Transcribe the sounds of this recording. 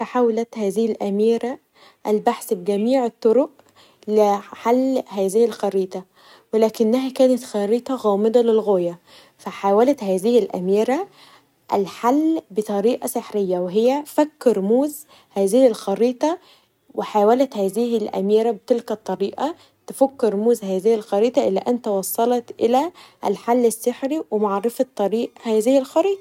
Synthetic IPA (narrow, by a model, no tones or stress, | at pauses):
faħawlæt̪hæːzɪhɪlʔæmiːɾæ | ʔælbaħsbɡæmiːʕet̪ˤːoɾoʔ | lɪħalːhæːzɪhɪlxɑɾiːt̪ˤɑ | welæːkɪnːæɦækæːnæt̪xæɾiːt̪ˤɑɣɑːmɪd̪ˤɑlɪlɣoːjæ | fæħaːwælæt̪hæːzɪhɪlʔæ̰miːɾæ | ʔælħalːbet̪ˤɑɾiːʔɑseħɾejːæweɦɪjːæfækːɪɾmuːz | hæːzɪhɪlxɑɾiːt̪ˤɑ | weħaːwælæt̪hæːzɪhɪlʔæ̰miːɾæbet̪ɪlkæt̪ˤːɑɾiːʔɑ | t̪ɪfækːɪɾˤmuːzhæːzɪhɪlxɑɾiːt̪ˤɑʔɪlːæ̰ʔænt̪æwɑsˤːɑlɑt̪ʔɪ̰læʔlħalːɪsːɪħɾiwemaʕɾɑfɑt̪ˤːɑɾiːʔhæːzɪhɪlxɑɾiːt̪ˤɑ̥